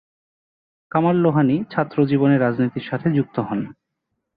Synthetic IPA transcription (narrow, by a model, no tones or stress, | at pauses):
kamalːoɦanit͡ɕʰat̪ːɾod͡ʑiboneɾad͡ʑnit̪iɾʃat̪ʰed͡ʑuk̚t̪oɦɔn